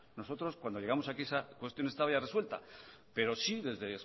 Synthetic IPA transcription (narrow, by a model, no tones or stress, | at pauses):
no̞so̞t̪ɾo̞skwand̪oʝe̞ɣamosakisakwe̞st̪jo̞ne̞st̪aβaʝare̞swe̞lt̪a̰ | pe̞ɾo̞siðe̞zðe̞s